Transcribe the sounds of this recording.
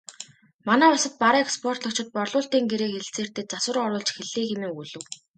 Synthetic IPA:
manæːʊsə̆t̪̚paɾiːkspʰɔr̥t̪ɞ̆k̚t͡ɕɪ̆t̪̚pɔrɮʊːɬt̪iːŋɡeɾeːkxeɮt͡seːr̥t̪ɘ̆t͡saswə̆rɢɔɾʊːɮt͡ɕxeɮiːŋxemeːuɮɵ̆w

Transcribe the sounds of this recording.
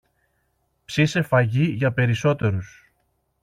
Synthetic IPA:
psise̞fɐʝiʝɐpe̞ɾiso̞t̪e̞ɾus

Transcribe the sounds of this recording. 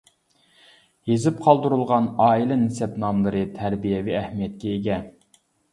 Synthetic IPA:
jezɪpqʰɑlˠd̪uɾulˠʁɑnɑːilˠɛnɪsɛpnɑmlˠɨɾɨt̪ʰæɾbijɛviæhmijɛt̪̚kʲɛeɡʲɛ

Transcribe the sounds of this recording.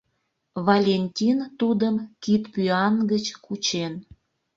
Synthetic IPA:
valʲenʲtʲint̪ud̪əmkit̪pyɑnɡət͡ɕkut͡ɕen

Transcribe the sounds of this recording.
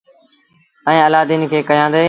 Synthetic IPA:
ɛ̃ːəlaːd̪iːnkʰeːkəjãːd̪eː

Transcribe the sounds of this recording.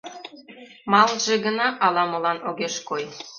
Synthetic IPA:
mɑlˠʒĕɣə̆nɑʔɑlɑmɤ̆lɑnoɣeʃkoj

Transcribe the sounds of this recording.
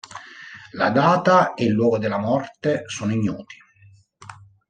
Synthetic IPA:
lad̪aːt̪aelːwɔːɡod̪elːamɔrt̪esoːnoiɲːṵːt̪i̥

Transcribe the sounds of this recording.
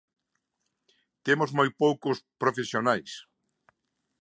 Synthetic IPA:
t̪emʊzmojpowkʊspɾofesjonajs

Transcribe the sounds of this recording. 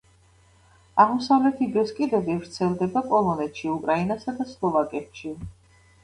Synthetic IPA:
aʁmɔsavlɛt̪ʰid̪ɾɛskʼid̪ɛvivɾt̪sʰɛlˠd̪ɛbakʼɔlˠɔnɛt̪ʃiukʼɾainasad̪aslˠɔvakʼɛpʃi

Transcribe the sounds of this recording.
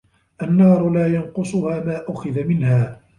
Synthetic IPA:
ʔanːɑːɾˤʊlaːjɑnqʊsˤʊhaːmaːʔʊxaðamɪnhaː

